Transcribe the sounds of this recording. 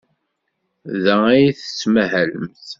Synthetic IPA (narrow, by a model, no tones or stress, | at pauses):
ðææjiθə̥sməɦæləmθ